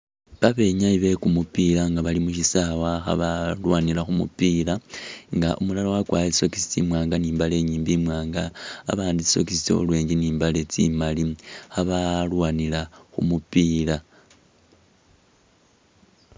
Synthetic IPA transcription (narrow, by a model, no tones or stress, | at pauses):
βaβe̞ɲaiβe̞kumupilaŋɡaβalimuʃisawaxa̰βalwaːnilaxumṵpiːlaŋɡa̰ʔumulalowakwaːjeiso̞kisi̥t͡sḭmwaːŋɡaniːmbale̞ɲiːmbimwaːŋɡa̰ːβaːndisi̥so̞kisi̥t͡so̞̰lwe̞ːɲd͡ʒeniːmbale̞t͡sḭmalixaβalwaːnilaxṵmupiːla